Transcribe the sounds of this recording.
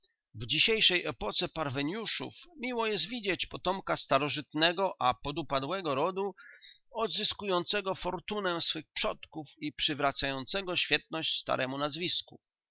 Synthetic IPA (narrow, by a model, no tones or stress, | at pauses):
vd͡ʑiɕejʂɛjʔɛpɔt̪sɛpaɾvɛɲjuʂṵfmʲiwɔjɛs̬t̪vʲid͡ʑet͡ɕpɔt̪ɔmkast̪aɾɔʐɘt̪nɛɡɔʔapɔd̪upad̪wɛɡɔɾɔd̪u | ɔd̪zɘskujɔnt̪sɛɡɔfɔɾt̪unɛsfɘxpʂɔt̪kufipʂɘvɾat̪sajɔnt̪sɛɡɔɕfʲjɛt̪̚nɔɕt͡ɕst̪a̰ɾʔɛmunazvʲiskṵ